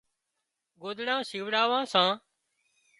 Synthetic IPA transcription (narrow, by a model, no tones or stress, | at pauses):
ɡoːd̪ɳãːsiːʋɽaːʋãːsãː